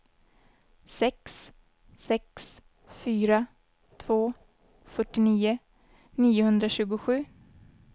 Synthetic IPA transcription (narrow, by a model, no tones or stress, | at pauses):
sɛks | sɛks | fyːɾa | t̪ʰvoː | fœʈːɪniːʊ | niːʊhɵnd̪ɾaɕʉ̟ːɡʊɧʉ̟ː